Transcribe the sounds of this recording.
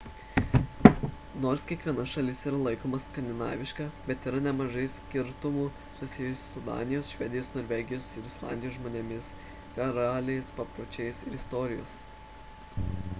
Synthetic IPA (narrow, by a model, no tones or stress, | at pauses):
noːɾskʲiɛkʋʲiɛnɐʃɐlʲɪsiːɾɐlˠɐɪkoːmɐskɐnʲd̪ʲɪnɑ̰ːʋʲɪʃkɑːbʲɛt̪iːɾɐnʲɛmɐʒɐɪsʲkʲɪɾt̪ʊmuː | sʊsʲɪjʊsʲʊsʊd̪ɑ̰ːnʲɪjoːsʃʲʋʲɛd̪ʲɪjoːsnoːɾʲʋʲɛːɡʲɪjoːsɪɾɪslˠɑ̰nʲd̪ʲɪjoːsʒmoːnʲemʲɪs | kɐɾɑːlʲɪɛspɐpɾoːt͡ʃʲɛɪsɪɾɪst̪ɔːɾʲɪjo̰ːs